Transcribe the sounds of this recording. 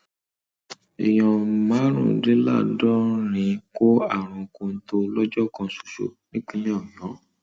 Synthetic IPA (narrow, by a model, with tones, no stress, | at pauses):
i˨j̃ɔ̃˧mã˨˦ɾ̃ṵ̃˦˨de˦la̰˦˨dɔ˦ɾ̃ĩ˨˧˦ko˦a̰˦˨ɾ̃ũ˨kũ˧n̩˦to˧˦lɔ˦d͡ʒɔ˦kɔ̃˧˨su̥˨ʃo̰˨nĩ˦k͡pĩ˧˦jɔ̃˦˨jɔ̃˨˦